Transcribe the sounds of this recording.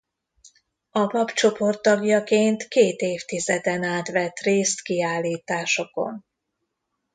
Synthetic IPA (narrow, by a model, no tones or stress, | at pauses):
ɒpɒpt͡ʃo̞po̞rt̪ːɒɡjɒkeːnt̪keːt̪eːft̪izɛd̪ɛnaːt̪ʋɛt̪reːst̪kiaːlːiːt̪aːʃo̞ko̞̰n